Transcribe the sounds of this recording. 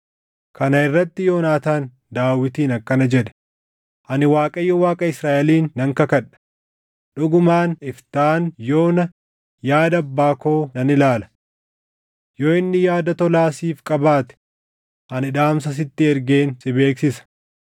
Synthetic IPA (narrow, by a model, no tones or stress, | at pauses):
kɐnɐɪrːɐt̪ːɪjo̞ːnaːt̪aːn | d̪aːwɪt̪iːnɐkːɐnɐd͡ʒɛᶑɛ̥ | ʔɐnɪwaːkʼɐjːɔwaːkʼɐɪsɾaːʔɛliːnːɐŋkɐkɐᶑɐ̥ | ᶑʊɡʊmaːnɪft̪aːnjo̞ːnɐ | jaːd̪ɐbːaːko̞ːnɐnɪlaːlɐ̥ | jo̞ːɪnːɪjaːd̪ɐt̪ɔlaːsiːfkʼɐbaːt̪ɛ̥ | ʔɐnɪᶑ̪aːmsɐs̬ɪt̪ːɪɛɾɡeːnsɪbe̞ːksɪsɐ̥